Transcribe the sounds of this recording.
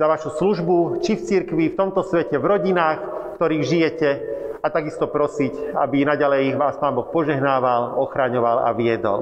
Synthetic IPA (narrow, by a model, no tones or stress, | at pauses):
zaʋaʃusluʒbut͡ʃift͡siɾkʋift̪ɔmt̪ɔsʋɛcɛvɾɔɟinaːxkt̪ɔɾiːɣʒijɛcɛat̪aɡist̪ɔpɾɔsica̰binaɟalɛjʋaːspaːnbɔxpɔʒɛɦnaːʋalɔxɾaɲɔʋala̰ʋɪɛd̪ɔ̰l